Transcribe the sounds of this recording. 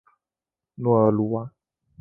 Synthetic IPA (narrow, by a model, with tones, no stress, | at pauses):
nũ˦ɛ˨lu˦wa˦